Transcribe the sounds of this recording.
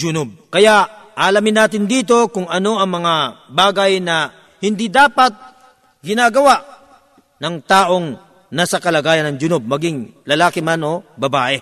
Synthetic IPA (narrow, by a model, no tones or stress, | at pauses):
d͡ʒʊnʊb̚kɐjaʔʔʔɐʔɐlamɪnːaːt̪ɪnd̪iːt̪o̞kʊŋɐno̞ʔɐŋmɐŋabaːɡɐjnɐ | hɪnd̪id̪aːpɐt̪̚ | ɡɪnaːɡɐwaʔ | nɐŋt̪aːʔo̞ŋ | nasɐkɐlɐɡaːjɐnɐŋd͡ʒʊnob̚mɐɡiŋlɐlaːkɪmano̞bɐbaːʔɛ